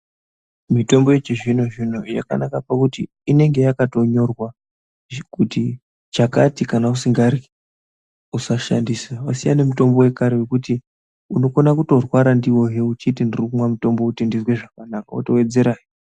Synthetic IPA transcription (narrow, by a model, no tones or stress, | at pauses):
mito̞mbo̞jet͡ʃiʐino̞ʐino̞ja̰ka̰nakapakutiːne̞ŋɡe̞jakato̞ɲo̞rwa | kuti | t͡ʃakatikanausiŋɡari | usaʃandisawasija̰ne̞mito̞mbo̞we̞kaɾewekuti | uno̞konakuto̞rwaɾandiwo̞ɦeut͡ʃitindirikumwamuto̞mbokutindizwe̞ʐakanakao̰to̞we̞d͡ze̞ɾaːji